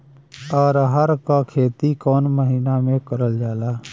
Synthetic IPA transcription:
ɔːɾəɦəɾkakʰeːt̪ikɔːnməɦiːnamẽkəɾəld͡ʒaːlaː

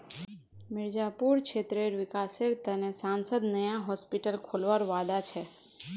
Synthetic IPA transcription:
mɪɾd͡ʒapuɾt͡ʃʰeːt̪ɾeɾʋɪkaːseɾt̪ənesãːnsəd̪nəjãɦɔspɪʈəlkʰoːlʋaɾoʋaːd̪at͡ʃʰɛː

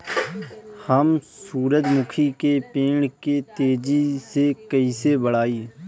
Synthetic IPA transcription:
həmsuːɾəd͡ʒmʊkʰikepeːɳket̪eːd͡ʒisekəiːsebəɽaːiː

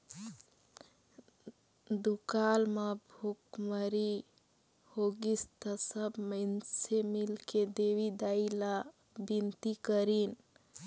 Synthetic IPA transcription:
d̪ukalmabʱukməɾi | hoɡist̪əsəbmənsemilked̪ewid̪aila | bint̪ikəɾin

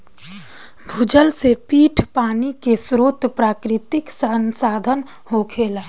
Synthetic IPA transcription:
bʱud͡ʒəlsepiːʈʰpaːnikesɾoːt̪pɾaːkɾɪt̪ɪksənsaːd̪ʱən | hokʰeːla

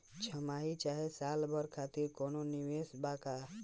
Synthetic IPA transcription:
t͡ʃʰəmaːɦit͡ʃaːɦesaːlbəɾkʰat̪iɾkoːnonɪʋesbaka

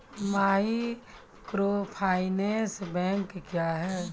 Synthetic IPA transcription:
maːɦi | kɾoːpʰaːɪneːsbɛ̃ːŋkːjaːɦɛː

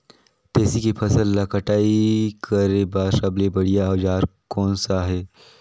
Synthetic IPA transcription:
t̪eːsikipʰɐsəlːakəʈaːikʰəɾebaːsɐblebɐɽijaɐːd͡ʒaːɾkɔːnsaɦɛː

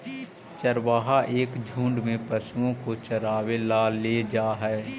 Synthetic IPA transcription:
t͡ʃəɾʋaːɦaʔeːkd͡ʒʱũːɳɖmẽpəsuõkot͡ʃəɾaːwelaleːd͡ʒaːɦɛː

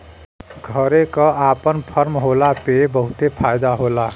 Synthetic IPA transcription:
ɡʱʌɾekʌapʌnpʰʌɾmɦolapebʌɦut̪epʰajd̪aɦola

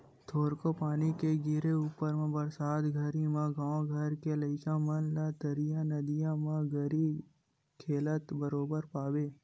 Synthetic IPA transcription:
t̪ʰoɾkopanikeɡiɾeupəɾmãbəɾsad̪ɡʱəɾimãɡãʋõɡʱəɾkeləɪkãmənlad̪əɾijãnəd̪ijãmãɡʱəɾi | kʰelət̪bəɾobəɾpaʋe

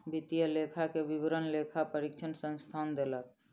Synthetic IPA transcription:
bit̪ijəlekʰakebibɾənlekʰapəɾikt͡ʃʰənsə̃nst̪ʰand̪elək̚

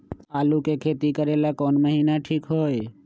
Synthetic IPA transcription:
aːlukekʰeːt̪ikəɾeːlakɔːnməɦiːnaʈʰiːkɦoːe

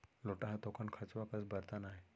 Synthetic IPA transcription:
loʈaɦat̪ɔkʰaɳkʰat͡sʋakəsbəɾt̪anaɦj

